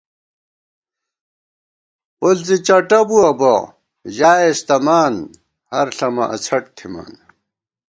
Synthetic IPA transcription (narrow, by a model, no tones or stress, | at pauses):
polt͡sit͡ɕɐʈɐbuɐbɐ̰ | ʑaːest̪ɐmaːn | hɐɾɬɐmɐʔɐ̰t͡ɕʰɐʈ̚t̪ʰima̰ːn